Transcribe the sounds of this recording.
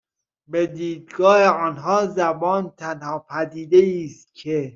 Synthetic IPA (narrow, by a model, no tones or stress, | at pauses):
bed̪iːd̪ɡɒːheɒːnɦɒːzæbɒːnt̪ʰænhɒːpʰæd̪iːd̪eiːst̪̚cʰe